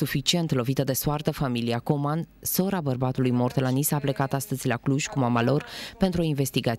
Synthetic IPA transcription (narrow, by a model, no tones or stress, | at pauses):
sufit͡ʃie̞nt̪lo̞vit̪əd̪e̞swart̪əfamiliako̞manso̞ɾabərbat̪ulujmo̞rt̪lanisaple̞kat̪ast̪əzʲlakluʒʲkumamalo̞rpe̞nt̪ɾuo̞inve̞st̪iɡa